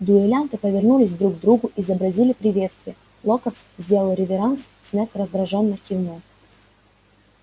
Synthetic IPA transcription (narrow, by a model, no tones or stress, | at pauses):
d̪ʊɪlʲant̪ɨpəvʲɪrnulʲɪsʲd̪ɾuɡd̪ɾuɡʊʔɪzəbɾɐzʲilʲɪpɾʲɪvʲe̞t̪st̪vʲɪjə | lˠokət̪szʲdʲe̞lˠəlˠɾʲɪvʲɪɾanssʲnʲɛkɾəzd̪ɾɐʐonːɨjkʲɪvno